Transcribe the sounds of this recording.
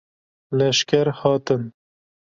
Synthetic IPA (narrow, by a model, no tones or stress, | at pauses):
lɐʃkaɾhɑːt̪ən